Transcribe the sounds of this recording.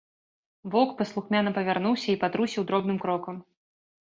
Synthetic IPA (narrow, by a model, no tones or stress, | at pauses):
vɔkpɐslˠuxmʲanɐpɐvʲarnuwsʲɐipad̪ɾusʲiwd̪ɾɔbnɨmkɾɔkɐm